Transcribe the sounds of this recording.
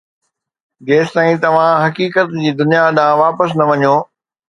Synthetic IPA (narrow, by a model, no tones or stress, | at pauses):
ɡeːst̪aːĩt̪ɐʋ̤ãɦɐkiːkət̪d͡ʑiːd̪ʊnijaɗãːʋaːpəs̬nɐʋɐɲoː